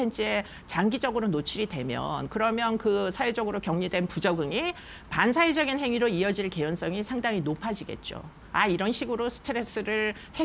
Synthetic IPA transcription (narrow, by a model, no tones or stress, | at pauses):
ent͡ɕ͈ʰe | t͡ɕaŋɡid͡ʑʌɡɯɾonot͡ɕʰiɾidwe̞mjʌ̰nkɯɾʌmjʌnkɯsʰawed͡ʑʌɡɯɾokjʌŋɲidwe̞npud͡ʑʌɡɯŋi | pans̬ʰaed͡ʑʌɡinɦe̞ŋiɾoiʌd͡ʑiɭke̞jons͈ʌŋisʰaŋdaŋinopʰad͡ʑiɡe̞̰t̚t͡ɕ͈o̰ | aiɾʌnɕʰiɡɯɾosʰɯ̥tʰeɾes͈ɯɾɯɭ | he